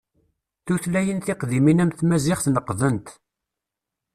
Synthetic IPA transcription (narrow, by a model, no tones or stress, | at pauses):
θuθlæjənθɪqðiminæmθmæzɪχθnəqːðənt̪